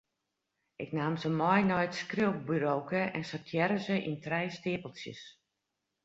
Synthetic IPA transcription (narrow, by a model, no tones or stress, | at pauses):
ɪknaːmzəmɔjnɔjtskrɪwp̚byɾowkəʔɛnsətʰjɛɾəzəʔḭntrɛjstɪːpəlˠsjə̰s